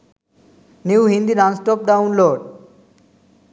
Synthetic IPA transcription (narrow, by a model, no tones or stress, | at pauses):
niwɦĩnd̪iɾansʈɔp̚ɖawnloɖ